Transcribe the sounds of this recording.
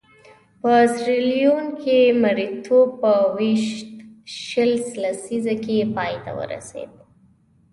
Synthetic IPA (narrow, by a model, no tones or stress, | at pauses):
pəsɾilijonkʰemaɾit̪ʰopəwiʃt̪ʃəlslasizakepɑjt̪a̰wə̰ɾa̰sḛd̪